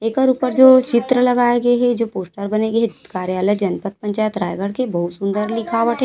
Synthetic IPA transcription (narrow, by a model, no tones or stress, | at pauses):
eːkɔɾuːpəɾd͡ʒoːt͡ʃɪt̪ɾəlɐɡaːeɡɐeɦɛd͡ʒoːpoːsʈəɾbɐneɡɐɦekaːɾjaːləjd͡ʒɐnpət̪̚pɐ̃ɲt͡ʃaːjət̪ɾaːjɡəɽkebɐɦut̪sʊ̃nd̪əɾlɪkʰaːʋəʈɦɛ